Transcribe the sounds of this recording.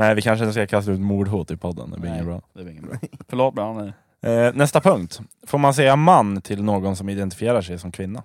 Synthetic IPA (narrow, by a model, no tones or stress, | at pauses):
næɪʋɪkʰanʂəɪnəskakʰast̪aʉːt̪muːɖɦuːt̪ɪpʰɔd̪ːə̰nd̪ɛ̰bɪɾɪŋːənbɾɑ̰ːd̪ɛɪŋːəfœɭoːt̪̚bnɛ | nɛst̪apʰɵŋkt̪ | foːɾmansɛjamanːt̪ʰɪlnoːɡɔnsɔmɪd̪ɛnt̪ɪ̥fɪeːɾaʂɛjsɔmkʰvɪnːa